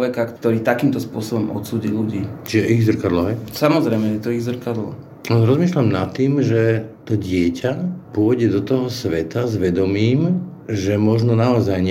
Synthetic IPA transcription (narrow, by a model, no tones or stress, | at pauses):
ʋɛkakt̪ɔɾiːt̪akiːmt̪ɔspʊɔsɔbɔmʔɔ̰t̪suːɟiluɟiːt͡ʃiʒɛʔiɣzr̩kad̪lɔɦɛjsamɔzɾɛjmɛjɛt̪ɔiɣzr̩kad̪lɔ̰ | aɾɔzmiːʃlamnat̪ːiːmʒɛt̪ɔɟɪɛcʰapʊɔɟɛd̪ɔt̪ɔɦɔsʋɛt̪azʋɛd̪ɔmiːm | ʒɛmɔʒnɔnaɔzajɲ